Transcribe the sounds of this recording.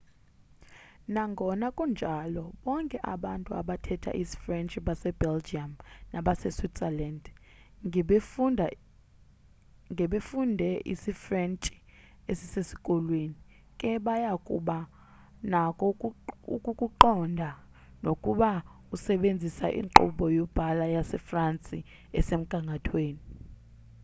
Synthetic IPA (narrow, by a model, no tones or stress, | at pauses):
naŋɡʱɔnakʼund͡ʒʱalɔɓɔŋkʼɛʔa̰ɓantʼua̰ɓatʰɛtʰa̰ʔisi̥frɛnt͡ʃʼiɓasɛbɛld͡ʒiamnaɓasɛswitsɛland | ŋɡʱɛɓefundʱɛʔḭsifrɛnt͡ʃʼi̥ | esisesi̥kʼɔlweːni | kʼɛɓajakʼṵɓa | nakʼɔṵkʼukʼuǃɔndʱa | nokʼuɓa | usɛɓend͡zʱisa̰ʔḭŋǃṵɓɔjɔb̥ʱalajasɛfrant͡sʼi | ɛsem̩ɡ̥ʱaŋɡʱatʰweːni